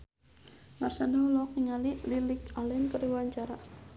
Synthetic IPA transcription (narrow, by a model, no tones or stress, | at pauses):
marsandaulɔk̚niŋalililɪkalɛnkəɾiwaɲt͡ʃaɾa